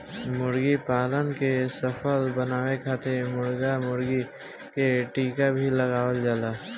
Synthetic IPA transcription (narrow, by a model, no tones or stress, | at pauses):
mʊɾɡipaːlənkesəpʰəlbənaːwekʰaːt̪emʊɾɡamʊɾɡi | keʈiːkabʱiləɡaːwəld͡ʒaːlaː